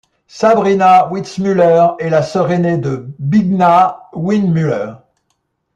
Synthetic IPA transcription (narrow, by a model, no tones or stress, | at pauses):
sabʁinawit̪smylœʁɛlasəʁened̪əbiɡnawinmylœːʁ